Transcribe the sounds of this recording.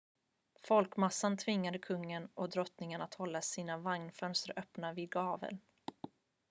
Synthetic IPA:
fɔlkmasːant̪ʰvɪŋːad̪əkʰɵŋːənɔd̪ɾɔt̪nɪŋənat̪hɔlːasiːnavaŋnfœnst̪ɾa̰ɾʔœpnavɪd̪̚ɡɑːvə̰l

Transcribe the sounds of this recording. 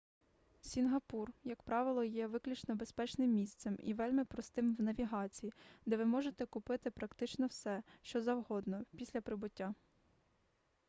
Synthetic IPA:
sʲinɦɐpurjɐkpɾɑʋɪlˠɔjɛʋɪklʲut͡ʃnɔbespɛt͡ʃnɪmːʲist̪sɛmḭʋɛlʲmɪpɾɔst̪ɪmwnɐʋʲiɦɑt͡sʲijid̪ɛʋɪmɔʒet̪ɛkʊpɪt̪ɪpɾɐkt̪ɪt͡ʃnɔwsɛʃt͡ʃɔzɐwɦɔd̪nɔpʲisʲlʲɐpɾɪbʊtʲːa

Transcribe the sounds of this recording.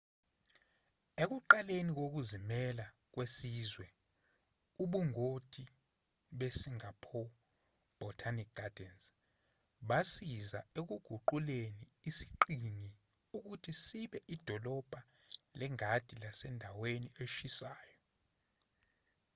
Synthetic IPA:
ek̬uǃalenik̬ok̬uzimɛla | k̬wesiːzwɛ | uɓuŋotʰʼi | ɓesiŋapʰɔ | b̥ʱɔltʰanik̚ɡ̥ʱad̥ʱɛns | ɓasiza̰ek̬uɡ̥ʱuǃuleniːsi̥ǃiŋi | uk̬utʰisiɓɛʔid̥ʱɔlɔb̥ʱa | lɛŋad̥ʱilasɛndʱawenieʃisaːjɔ

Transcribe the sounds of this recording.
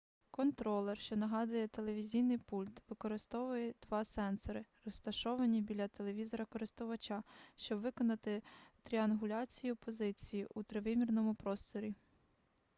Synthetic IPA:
kɔnt̪ɾɔlˠɛrʃt͡ʃɔnɐɦɑd̪ʊjɛt̪elˠeʋʲizʲijnɪjpulʲt̪ʋɪkɔɾɪst̪ɔʋʊjɛd̪̥ʋɑsɛnsɔɾɪrɔst̪ɐʃɔʋɐnʲibʲilʲɐt̪e̞lˠeʋʲizɔɾɐkɔɾɪst̪ʊʋɐt͡ʃɑʃt͡ʃɔbʋɪkɔnɐt̪ɪt̪ɾʲiɐnɦʊlʲɑt͡sʲijʊpɔzɪt͡sʲijiʔut̪ɾɪʋɪmʲirnɔmʊpɾɔst̪ɔɾʲi

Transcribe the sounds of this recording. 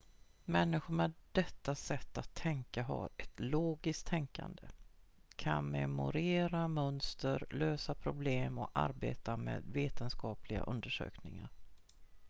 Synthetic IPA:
mɛnːɪɧʊmɛd̪ɛt̪ːasɛt̪ːat̪ʰːɛŋkaɦa̰ɾɛt̪loːɡɪsk̚t̪ʰːɛŋka̰nd̪əkʰanmɛmʊ̰ɾeːɾamœnst̪əɾløːsapʰɾʊbleːmɔa̰ɾbeːt̪amḛːd̪veːt̪ənskɑːplɪɡa̰ʔɵnd̪əʂø̰ːknɪŋaɾ

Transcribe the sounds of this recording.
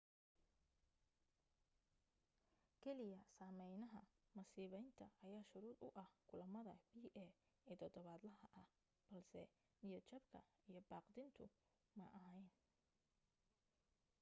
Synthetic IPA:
kʰɛlɪjɐsaːmɛjnɐɦɐmɐsiːβɛjnt̪ʰɐɐjaːʃʊɾuːd̪ʊʔɐhkʰʊlɐmɐðɐbiːʔɛː | ɛːt̪ʰɔd̪ɔβaːd̪lɐɦɐʔɐh | b̥ɐlsɛ | nijɔt͡ʃɐbkʰɐ | ijɞbaːqd̪ɪnt̪ʰʊ | mɐʔɐɦɛjn

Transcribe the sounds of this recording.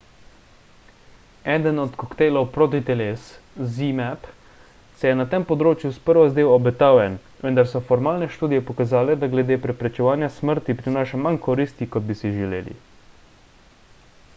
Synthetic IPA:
ɛːd̪ənɔt̪kɔkt̪eːjlɔwpɾoːt̪̬it̪ɛles | zimɛp | sɛjɛnat̪empɔd̪ɾoːt͡ʃjuspəɾʋazd̪eːwɔbɛt̪aːwjɛn | ʋənd̪aɾsɔfɔɾmaːlnɛʃt̪uːd̪ijɛpɔkazaːlɛd̪aɡlɛd̪eːpɾɛpɾɛt͡ʃɛʋaːnjasməɾt̪ipɾinaːʃamankɔɾiːst̪ikɔd̪̚bisiʒɛlḛːlḭ

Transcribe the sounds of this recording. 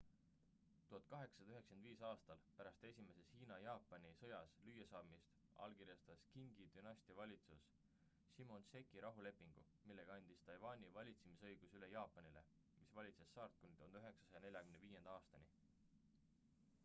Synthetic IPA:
t̪uɦɑt̪̚ˑkɑɦe̞ksɑd̪ɑyɦe̞ksenviːsɑːst̪ɑlpæɾɑst̪e̞sʲime̞se̞shiːnɑjɑːpːˑɑnisɤ̞jɑslyjɑsɑːmist̪ | ɑ̰lkiɾjɑst̪ɑskiŋɡ̥id̪̥ynɑsʲt̪ivɑlʲit̪susː | imo̞nse̞kːˑiɾʔɑɦule̞pːˑiŋɡ̥ṵ | milːe̞ɡ̥ɑɑnʲd̪̥ist̪ɑjvɑnʲivɑlʲit̪semisɤ̞jɡ̥usylejɑːpːˑɑnile̞̰ | misvɑlʲit̪se̞sːɑːrt̪̚kunit̪und̪yɦe̞ksɑ̥sɑjɑne̞lʲjɑkymneviːje̞nd̪̥ɑɑːst̪ɑni

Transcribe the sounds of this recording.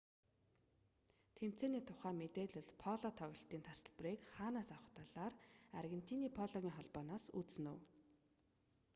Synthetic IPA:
t̪ʰem̥t͡seːniːt̪ʰʊχæːmet̪eːɮɵɮpʰɔɮɔt̪ʰɔɣʲɞ̆ɬt̪iːnt̪ʰasə̆ɮpriːkχaːnaːsawə̆χt̪ʰaɮaːrarɣʲen̥t̪ʰiːniːpʰɔɮɔɣʲiːŋχɔɮpɔːnɔːsut͡ssɘ̆nuw

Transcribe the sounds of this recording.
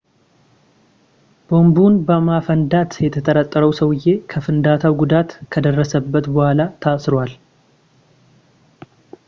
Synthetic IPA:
b̥o̞mbunbəmafənd̪at̪jɛt̪ʰət̪ʼəɾət̪ʼːəɾəwsəwɨjːe̞kʰəfɨnd̪at̪ʰawɡud̪at̪kʰəd̪ərːəsəbːət̪bəhʷalat̪ʰasɾwal

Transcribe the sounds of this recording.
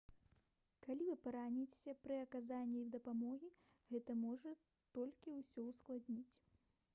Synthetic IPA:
kalʲivɨpaɾanʲit͡sʲe̥sʲɐpɾɨɐkazanʲːid̪ɐpamɔɣʲi | ɣɛt̪ɐmɔʐɐ | t̪ɔlʲkʲiwsʲɔwsklˠad̪ʲnʲit͡sʲ

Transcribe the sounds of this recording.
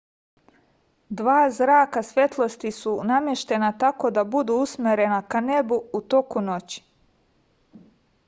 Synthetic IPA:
d̪ʋaːzɾaːkasʋje̞t̪lˠo̞st̪isunamjeʃt̪e̞nat̪ako̞d̪abud̪uusmʲeɾe̞nakane̞buut̪o̞kuno̞t͡ɕi̥

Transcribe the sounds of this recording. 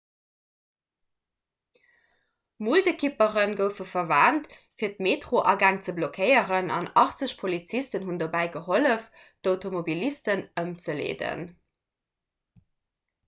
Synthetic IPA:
muldekʰipəʁənɡəʊfəfɐvaːnt | fiːɐtmeːtʁoʔɑɡaːŋt͡səblokʰɜɪəʁənɑ̰nɑχt͡səɕpʰolit͡sistənɦundobæɪɡəɦoləf | d̥oʊtʰomobilistənəmt͡səlḛːdə̰n

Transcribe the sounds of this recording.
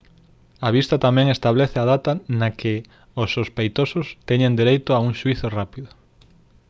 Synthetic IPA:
aβist̪ɐt̪amɛ̃ŋest̪aβlɛθɪaðat̪ɐnɐkʰɪ | osːospejt̪osʊst̪ɛɲẽnd̪eɾejt̪ʊauŋʃuiθorapiðʊ

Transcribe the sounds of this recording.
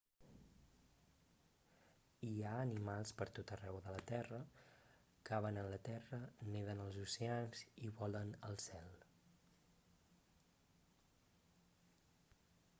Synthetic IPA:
iaənimalˠspəɾt̪ot̪ərɛwðələt̪ɛrə | kaβənənlət̪ɛrəneðənəlˠzuseanziβɔlənəlˠsɛlˠ

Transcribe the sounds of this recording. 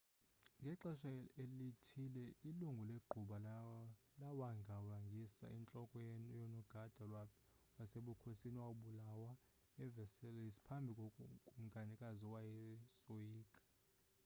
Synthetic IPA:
ŋɡʱɛǁɛʃaelitʰilɛiluŋɡʱuleɡ͡ǃʱuɓa | lawaŋɡʱawaŋɡʱisa̰int͡ɬʼɔkʼɔjɔnɔɡ̥ʱad̥ʱa | waseɓukʰosiniwaɓulawa | ɛvɛsɛlɛisi̥pʰambʱikʼɔkʼum̩ɡʱanikʼazɔwajɛsojiːkʼḁ

